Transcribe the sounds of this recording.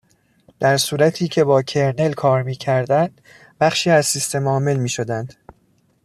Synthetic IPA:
d̪̥æɾsuːɾæt̪ʰiːcʰe̞bɒːcʰe̞ɾne̞lkʰɒːɾmiːcʰæɾd̪ænd̪̥ | bæχʃiːæzsist̪e̞mɒːme̞lmiːʃo̞d̪ænd̪̥

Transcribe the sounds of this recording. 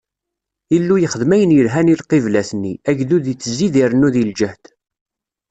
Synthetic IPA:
ilːujəχəðmæjənjəlɦænilqivlæθənːiæʝðuðit͡sːəzːiðiɾnuðild͡ʒəht̪

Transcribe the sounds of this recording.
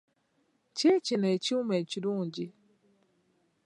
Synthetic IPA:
t͡ʃet͡ʃinet͡ʃiumet͡ʃidud͡ʒi

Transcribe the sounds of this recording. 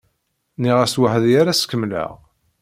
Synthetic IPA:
niʁæswəhəðjaɾæskːəmlə̰ʁ

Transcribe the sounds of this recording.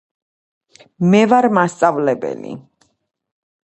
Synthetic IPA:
mɛvaɾmast̪sʼavlɛbɛ̰lḭ

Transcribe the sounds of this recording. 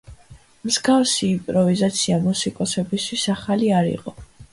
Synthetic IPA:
mzɡavsiːmpʼɾɔvizat̪sʰiamusikʼɔsɛbist̪ʰwisaχaliaɾḭqʼɔ

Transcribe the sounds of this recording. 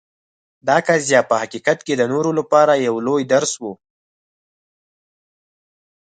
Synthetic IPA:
d̪ɑkazzjɑpəhaqiqat̪ked̪ənoɾolapɑɾajawlojd̪aɾswu

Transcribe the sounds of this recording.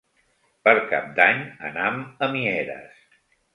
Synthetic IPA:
pəɾka̰p̚d̪aɲə̰naməmiɛɾə̰s

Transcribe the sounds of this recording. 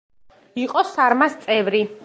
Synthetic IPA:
iqʼɔsaɾmast̪sʼɛvɾi

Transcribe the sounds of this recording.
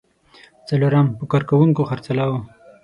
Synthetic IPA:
t͡saloɾampəkɑɾkawuŋkoxaɾt͡salawo

